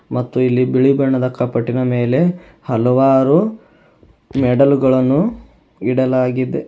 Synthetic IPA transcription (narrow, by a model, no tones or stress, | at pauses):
mɐt̪ːuilːibiɭibɐɳːɐd̪ɐkːɐpɐʈːinɐmeːle̞ | hɐlɔʋaːɾu | mɛɖɐlɡɐɭɐnːu | iɽɐlaːɡid̪e